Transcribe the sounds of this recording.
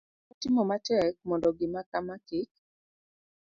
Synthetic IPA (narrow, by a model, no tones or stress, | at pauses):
ɔtɪmɔmatɛk̚mɔndɔɡɪmakamakɪk̚